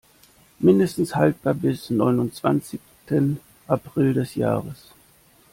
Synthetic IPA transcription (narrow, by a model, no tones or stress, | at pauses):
mɪndəstn̩shalt̚b̥aɐbɪsnɔʏnʊnt͡sv̥a̰nt͡sɪçstʰən | ʔapʁ̥ɪldɛsja̰ːʁəs